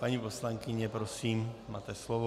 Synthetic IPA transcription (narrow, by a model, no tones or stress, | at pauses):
paɲipɔslaŋkiɲɛpɾɔsiːmma̰ːt̪ɛslɔʋɔ